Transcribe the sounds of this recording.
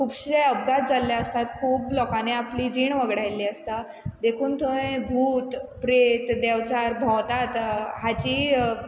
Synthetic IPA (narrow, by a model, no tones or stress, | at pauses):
kʰuːpɕeəbɡat̪̚d͡zalːjaəst̪at̪kʰuːplɔkaneapliːd͡ʑiːɳʋəɡɽajlːiːəst̪a | d̪ekʰuːnt̪ʰoẽbʱuːt̪pɾet̪d̪ɛʋt͡saɾbʱɔwt̪at̪ɦat͡ɕiː